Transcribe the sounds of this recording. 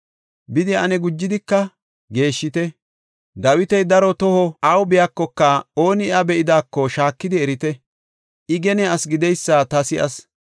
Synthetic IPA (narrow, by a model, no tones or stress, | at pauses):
bɪd̪ɪɐnɛɡʊd͡ʒːɪd̪ɪkːɐ | ɡe̞ːʃːɪt̪ɛ | d̪ɐwɪt̪ɛjd̪ɐɾɔt̪ɔhɔɐwbɪjakːɔkːɐo̞ːnɪɐbɛʔɪd̪aːkːɔʃaːkːɪd̪ɪɛɾɪt̪ɛ | ʔɪɡɛnɛɐsɡɪd̪ɛjsːaːt̪ɐsɪʔɐs